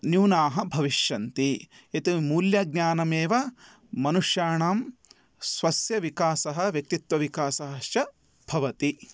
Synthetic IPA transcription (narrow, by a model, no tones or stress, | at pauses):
njuːnaːɦɐ̆bʱɐʋiʃjɐnt̪i | et̪imuːljɐɡ̚nʲaːnɐmeːʋɐ | mɐnuʂjaːɳaːm | sʋɐsjɐʋikaːsɐɦɐ̆ʋjɐk̚t̪it̪ʋɐʋikaːsɐɦɐʃt͡ʃɐ | b̥ʱɐʋɐt̪i